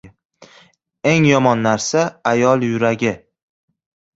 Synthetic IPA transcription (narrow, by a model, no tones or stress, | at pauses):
e̞ŋjɒmɒnːaɾsaːjɒlˠjʊɾaɡʲɪ